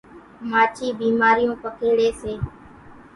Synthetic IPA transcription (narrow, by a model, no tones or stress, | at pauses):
maːt͡ʃiːbiːmaːɾɪjõːpəkʰeːɽeːseː